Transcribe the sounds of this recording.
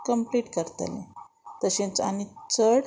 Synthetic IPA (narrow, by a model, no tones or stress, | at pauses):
kəmpliʈkəɾt̪ə̰lḛ̃ | t̪əɕẽt͡sa̰nit͡səɽ